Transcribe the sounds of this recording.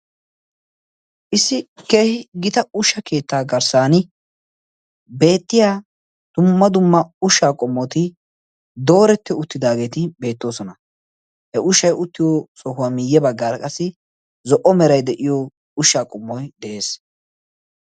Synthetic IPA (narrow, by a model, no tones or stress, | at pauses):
ʔɪsːɪke̞ːhɪɡɪt̪ɐʊʃːɐke̞ːt̪ːaːɡɐɾsaːnɪ | be̞ːt̪ːɪjaː | d̪̥ʊmːɐd̪ʊmːɐʊʃaːkʼɔmːɔt̪ɪ | d̪o̞ːɾɛt̪ːɛʊt̪ːɪd̪aːɡe̞ːt̪ɪbe̞ːt̪ːo̞ːsɔnɐ | hɛʔʊʃɐjʊt̪ːɪjɔsɔhʊaːmɪjːɛbɐɡːaːɾɐkʼɐsːɪ | zɔʔɔmɛɾɐjd̪ɛʔɪjɔ | ʊʃːaːkʼɔmːɔjd̪ɛʔe̞ːs